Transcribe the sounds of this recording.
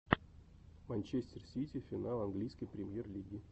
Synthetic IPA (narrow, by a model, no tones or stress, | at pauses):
manʲt͡ɕesʲtʲɪrsʲitʲɪfʲɪnalˠɐnɡlʲijsʲkəjpɾʲɪmʲjerlʲiɡʲɪ